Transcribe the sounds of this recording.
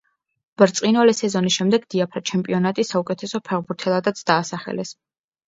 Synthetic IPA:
b̥ɾt̪sʼinalɛsɛzɔnisʃɛmd̪ɛɡd̪̥iapʰɾat͡ʃʰɛmpʼiɔnat̪ʼisaukʼɛt̪ʰɛsɔpʰɛʁbuɾt̪ʰɛlˠad̪at̪sʰd̪aːsaχɛ̰lɛs

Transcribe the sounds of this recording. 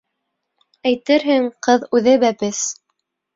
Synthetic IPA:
æjt̪ɘɾɦɘŋqɤðʉðɘbæpɘs

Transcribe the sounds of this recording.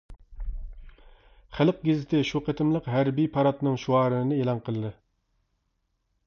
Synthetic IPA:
χælɨq̚ɡʲezɪt̪ʰɪʃuqʰɛt̪ʰɪmlˠəqɦæɾbijpʰɑɾɑt̪nɨŋʃuɑːɾɨnɨnɨelˠɑnqʰəlˠɨd̪ɨ

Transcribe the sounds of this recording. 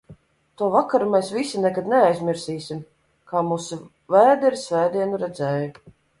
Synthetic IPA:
t̪uɔvakaɾumɛjsvisinɛkad̪nɛajzmʲiɾsiːsʲim | kaːmuːsu | væːd̪iɾsvæːd̪iɛnuɾɛd̪zɛːju

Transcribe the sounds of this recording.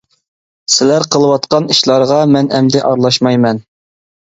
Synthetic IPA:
sɪlæɾqʰəlˠəwɑt̪qɑniʃlˠɑɾʁɑmɛnɛmd̪ɪʔɑɾlˠɑʃmɑjmɛn

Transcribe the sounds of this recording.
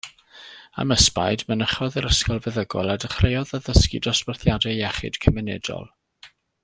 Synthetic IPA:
a̰məspa̰jdmənəχɔðəɾəskɔlˠvɛðəɡɔlˠadəχrejɔðəðəskɪ̰dɔsparθjadɛɛχɨ̰d̥kʰəmɛnɛdɔ̰lˠ

